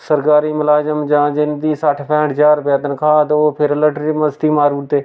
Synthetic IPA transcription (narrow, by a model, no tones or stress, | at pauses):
səɾkaːɾiːmɪlaːd͡ʒəmd͡ʒãːd͡ʒɪnd̪iːsaːʈʰpʰɛ̃ːʈd͡ʒaːɾpjaːt̪ənkʰaːt̪oːpʰɪɾləʈɾiːməzt̪iːmaːɾuːʈt̪eː